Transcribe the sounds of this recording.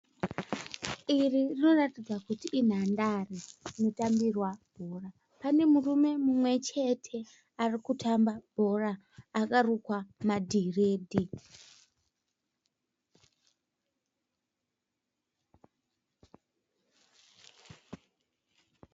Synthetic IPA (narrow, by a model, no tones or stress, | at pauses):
iririno̞ratid͡zakutiʔːn̤andarino̞tambirwab̥ʱora | pane̞murume̞mumwe̞t͡ʃe̞tʰe̞ | arikutʰambabʱo̞raː | karukwamadʱire̞ːdʱi